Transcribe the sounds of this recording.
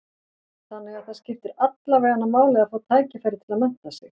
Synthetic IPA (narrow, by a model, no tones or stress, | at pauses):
θanːɪɣaðθaðscɪft̪ɪɾat̪laveːðanːamaːwlɪɣafaːt̪ʰaːjcɪfajɾɪt̪ʰɪlaðmɛn̥t̪asɪx